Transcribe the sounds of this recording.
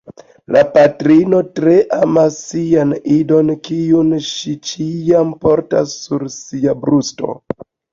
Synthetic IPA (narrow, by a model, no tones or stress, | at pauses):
lapatɾino̞tɾe̞ʔamasːianido̞nkiunʃit͡ʃijampo̞ɾta̰sːuɾsiabɾusto̞̰